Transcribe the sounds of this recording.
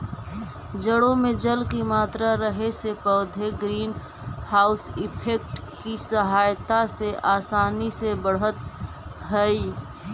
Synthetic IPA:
d͡ʒəɽõmẽd͡ʒəlkimaːt̪ɾaɾəɦesepəːd̪ʱeɡɾiːn | haːʊsɪpʰeːk̚ʈ | kisəɦaːjt̪aseʔaːsaːnisebəɽ̤ɦət̪̚ | ɦəi

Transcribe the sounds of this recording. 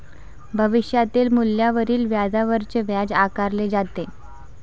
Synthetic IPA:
bʱəʋiɕjat̪iːlmuljaʋəɾiːlʋjad͡zaʋəɾt͡seʋjad͡zakaɾled͡zat̪e

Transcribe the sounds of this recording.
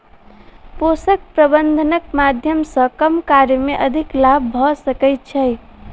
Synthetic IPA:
posək̚pɾəbənd̪ʱənək̚mad̪ʱjəmsə̃kəmkaɾjəmeʔəd̪ʱiklabːʱɔsəkɛjt̪̚t͡ʃʰəj

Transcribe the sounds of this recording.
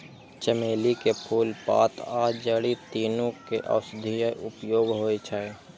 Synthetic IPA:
t͡ʃəmeːlikepʰuːlpa̰ːt̪aːd͡ʒəɽit̪iːnõkeʔa̰ːsd̪ʱijəʔʊpjoːɡɦoːet͡ʃʰae

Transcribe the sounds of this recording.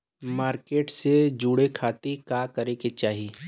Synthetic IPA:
maːɾkeːʈsed͡ʒuːɽekʰaːt̪ekaːkɐɾẽket͡ʃaːɦiː

